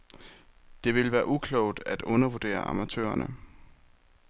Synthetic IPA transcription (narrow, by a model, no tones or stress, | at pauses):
d̥e̝ʋe̝lʋæːɐʔukʰlɔʊ̰d̥æd̥ɔ̽nɐʋud̥e̝̰ːɐɑ̈mæt͡sʰø̰ːɐnə